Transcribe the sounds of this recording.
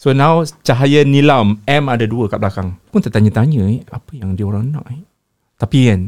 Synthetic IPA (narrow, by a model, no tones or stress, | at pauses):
sonãwt͡ʃaɦajənilamɛmadaduəkaʔblakaŋpunt̪aʔt̪aɲət̪aɲəɛapəjaŋdiəoɾaŋəna̰ʔɛ | t̪apian